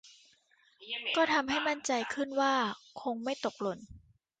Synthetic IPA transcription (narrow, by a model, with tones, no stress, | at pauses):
kɔː˥˩t̪ʰa˧mɦa˥˩jma˥˩nt͡ɕa˧jkʰɯ˥˩nwaː˥˩kʰo˧ŋma˥˩jt̪o˨˩k̚lo˧˩n